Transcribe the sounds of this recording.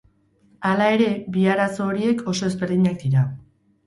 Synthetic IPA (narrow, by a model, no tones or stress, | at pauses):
alae̞ɾe̞biaɾaso̞ːɾie̞kʰo̞so̞ezbe̞ɾðiɲak̚d̪iɾa